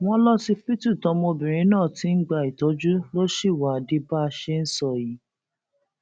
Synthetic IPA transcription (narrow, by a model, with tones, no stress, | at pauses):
w̃ɔ̃˦lɔ˦si˧˦pi˦tu˦˨tɔ˨˧mɔ̃˧bĩ˨ɾ̃ĩ˧˦nãː˦˨ti˨˦n̩˦ɡ͡ba˦˧˨i˨tɔ˨˦d͡ʒu˦lo˦ʃi˦˨wa˨a˨di˧˦ba˦˧ʃe˦n̩˦sɔ˦˨ji˨˦